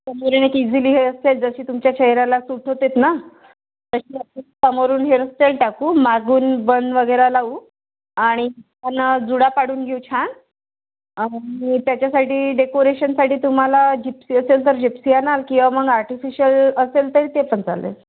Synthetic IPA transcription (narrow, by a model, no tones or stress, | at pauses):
səmoɾinekid͡zʱiliːɦeəseld͡zəɕiːt̪umt͡ɕjat͡ɕʰeɦɾalasuʈʰɦot̪et̪na | t̪əɕiːətisəmoɾuːnɦeɾəst̪elʈakuːmaɡuːnbənd̪ʋəɡəjɾalaʋuː | aɽ̃i | anad͡zuɽapaɽ̤uːnɡʱeut͡ɕʰan | aiit̪jat͡ɕjasaʈiːɖekoɾeɕənsaʈʰiːt̪um̤alad͡ʑipsiːəselt̪əɾd͡ʑipsianalkĩw̃ʋaməɡaɾʈifiɕələselt̪əɾiːt̪epəɳd͡za̰lḛt